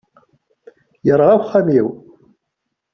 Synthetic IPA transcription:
jəɾˤʁawχːæmiw

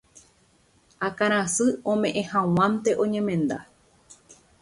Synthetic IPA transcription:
akaɾ̃ãsɨõ̞mẽ̞ʔẽhãw̃ãnt̪e̞ʔõ̞ɲẽ̞mẽ̞nd̪a

